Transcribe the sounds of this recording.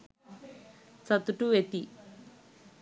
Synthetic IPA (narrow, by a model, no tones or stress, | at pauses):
t͡sɐt̪uʈuʋet̪i